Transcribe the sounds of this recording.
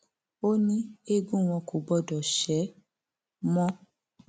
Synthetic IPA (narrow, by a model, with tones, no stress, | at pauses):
o˦nĩ˦e˦˨ɡũ˦˨w̃ɔ̃˧ko˨ɡ͡bɔ˦˨dɔ˨ʃɛ˨˦ | mɔ̃˦